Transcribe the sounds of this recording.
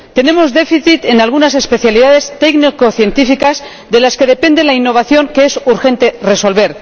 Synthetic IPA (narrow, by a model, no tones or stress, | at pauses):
t̪e̞ne̞mo̞zðe̞fiθit̪e̞nalɣunase̞spe̞θjaliðaðe̞st̪eknikoθje̞nt̪ifikaz | ðe̞laske̞ðe̞pe̞nd̪e̞lainːo̞β̞aθjo̞ŋkeesuɾxẽ̞nt̪e̞re̞so̞lβe̞ɾ